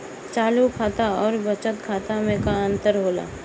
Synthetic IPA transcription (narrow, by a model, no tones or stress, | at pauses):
t͡ʃaːlukʰaːt̪aɔːɾbət͡ʃət̪kʰaːt̪amẽkaə̃nt̪əɾɦoːla̰ː